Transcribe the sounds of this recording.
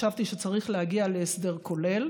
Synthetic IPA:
avt̪iʃet͡saʁiχlehaɡialeesd̪e̞ʁkʰo̞le̞l

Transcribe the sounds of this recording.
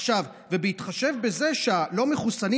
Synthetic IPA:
ʃav | vebehit̪χaʃe̞vbe̞ze̞ʃealo̞meχusani

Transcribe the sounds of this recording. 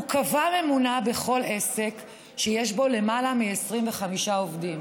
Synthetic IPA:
ukavamemunabe̞χo̞le̞se̞k | ʃejeʃbo̞le̞malamiesʁimveχamiʃao̞vdim

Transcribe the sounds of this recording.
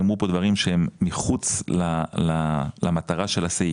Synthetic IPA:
mʁupo̞d̪vaʁimʃehemːiχut͡slalalʔamat̪aʁaʃe̞lase

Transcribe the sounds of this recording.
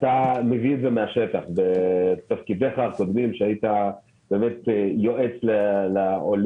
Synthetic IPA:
t̪ameviedzemeaʃe̞taχbet̪afkid̪e̞χako̞d̪mimʃeajit̪a | b̥e̞ːmet̪jo̞ʔet͡sleleol

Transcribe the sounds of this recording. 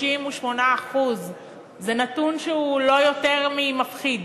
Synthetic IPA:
imuʃmo̞naːχuz | zenat̪unʃeulo̞jo̞te̞ʁmimafχid̪

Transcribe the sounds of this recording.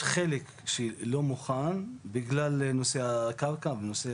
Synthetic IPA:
χelek | ʃelo̞muχanbiɡlalenoseakaʁkavenose

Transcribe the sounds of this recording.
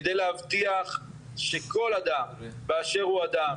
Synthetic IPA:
d̪ejlehavt̪iaχ | ʃeko̞lad̪ambeaʃe̞ʁhuad̪am

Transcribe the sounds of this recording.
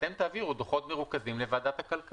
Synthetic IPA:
t̪emt̪aːviʁud̪oχo̞t̪meʁukazimle̞vaːd̪at̪hakalk

